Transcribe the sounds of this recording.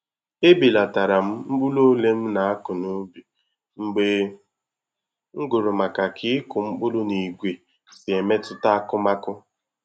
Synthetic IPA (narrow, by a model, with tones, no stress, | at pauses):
e˦bi˨la˨ta˨ɾa˨m̩˦ŋ͡m̩˦k͡pʊ˦lo˦le˦m̩˦na˨a˦kʊ˨nʊ˦bi˨ | ŋ͡m̩˦ɡ͡be˦ | ŋ̩˦ɡʊ˨ɾʊ˨ma˨ka˨kʰɪ˦kʊ˨ŋ͡m̩˦k͡pʊ˦lʊ˦ni˨ɡʷe˨ | sɪ˨e˨me˦tʊ˦ta˦a˦kʊ˦ma˦kʊ˦